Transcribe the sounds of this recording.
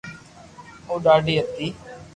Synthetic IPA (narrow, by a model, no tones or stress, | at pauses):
oːɖaːɖiːət̪ːiː